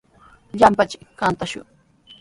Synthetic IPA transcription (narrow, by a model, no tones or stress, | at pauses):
ʎampat͡ʃɪ̥kkant̪aʃʊ̰ŋ